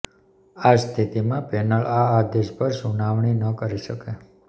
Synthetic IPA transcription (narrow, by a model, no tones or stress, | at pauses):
ast̪ʰit̪imãpɛnəɭaːd̪eʃpəɾsunaʋɳinəkəɾiʃəke